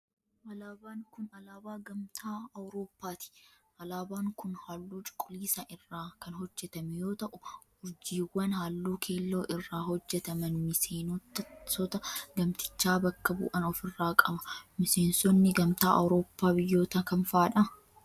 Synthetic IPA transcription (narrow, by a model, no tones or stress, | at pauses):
ʔɐlaːbaːŋkʊnɐlaːbaːɡɐmt̪ʰaːɐwɾo̞ːpːaːt̪ɪ̥ʔɐlaːbaːŋkʊnhaːlːuːt͡ʃʼʊ̥kʼːʊliːsɐʔɪrːaːkɐnɦɔd͡ʒːɛt̪ɐmɛjo̞ːt̪ɐʔʊhʊɾd͡ʒiːwːɐnhaːlːuːkʰe̞ːlːo̞ːʔɪrːaːhɔd͡ʒːɛt̪ɐmɐnmɪseːntsɔt̪ɐɡɐmt̪ɪ̥t͡ʃːaːbɐkːɐbṵːʔɐnɔfɪrːaːkʼɐbɐmɪse̞ːnsɔnːɪɡɐmt̪aːʔɐ̰wɾo̞ːpːaːbɪjːo̞ːt̪ɐkɐnfaːᶑɐ